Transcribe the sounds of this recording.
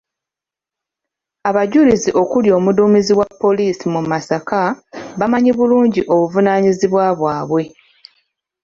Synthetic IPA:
aβaɟuliziʔo̞kuljo̞ːmuduːmiziwapːo̞liːsimumasakaβamaɲiβuluːɲɟiʔo̞βuvunaːɲiziβwaβwaːβwe̞

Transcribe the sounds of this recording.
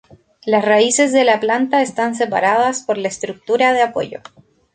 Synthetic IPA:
lasraise̞z̬ðe̞laplant̪aest̪ans̬e̞pa̰ɾað̞aspo̞ɾlaest̪ɾuk̚t̪uɾaðeapo̞̰ʝo̞̰

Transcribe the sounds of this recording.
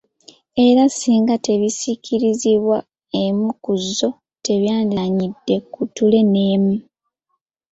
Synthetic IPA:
e̞ɾasiːŋɡate̞βisicʰiɾiziβwa | e̞mukuzːo̞ | te̞βjaːndaɲidːe̞kutule̞ne̞ːmu

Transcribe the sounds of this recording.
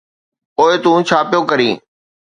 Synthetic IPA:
poːet̪ũːt͡ʃʰaːpjoːkəɾĩː

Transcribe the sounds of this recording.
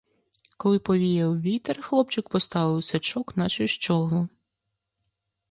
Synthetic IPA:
kɔlˠɪpɔʋʲijɛwʋʲit̪erxlˠɔpt͡ʃɪkpɔst̪ɑʋɪwsʲɐt͡ʃɔknɐt͡ʃɪʃt͡ʃɔɦlˠʊ

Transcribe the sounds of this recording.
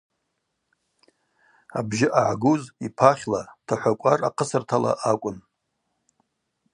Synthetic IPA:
abʒɪʔaʕɡuzipʰaχʲlatʰaħʷakʷʼaraqʰəsɨrtʰala̰ʔakʷʼʊn

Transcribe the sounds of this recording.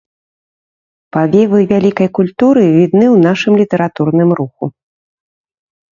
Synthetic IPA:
pavʲɛvɨvʲalʲikɐjkulʲt̪uɾɨvʲid̪nɨwn̪aʂɨmlʲit̪ɛɾat̪urnɨmɾuxu

